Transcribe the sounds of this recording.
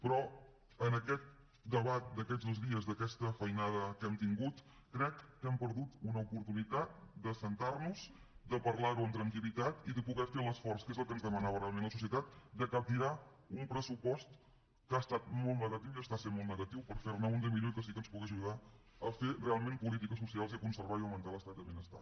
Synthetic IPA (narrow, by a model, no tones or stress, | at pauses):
pɾɔ | ənəkɛt̪̚ | d̪əβat̪̚d̪əkɛdzðozðiəzðəkɛst̪əfəjnaðəkɛmt̪iŋɡut̪ | kɾɛkːɛmpəɾðut̪unəupuɾt̪unit̪at̪̚d̪əsənt̪arnuz̥ | d̪əpəɾlaɾuənt̪ɾəŋkilit̪at̪iðəpuɣɛfeləsfɔrskezəlˠkənzðəmənaβəremenləsusiət̪at̪̚d̪əkəp̚t̪iɾa | umpɾəsupɔst̪ | kəast̪at̪̚mɔlˠtnəɣət̪iwiəst̪asenmɔlˠt̪nəɣət̪iwpəɾfeɾnaund̪iəmiʎokəs̬ikənspuɣiəʒuð̞a | əferealˠmempulit̪ikəs̬usialˠziəkunsəɾβaiəwmənt̪aləst̪at̪̚d̪əβenəst̪a̰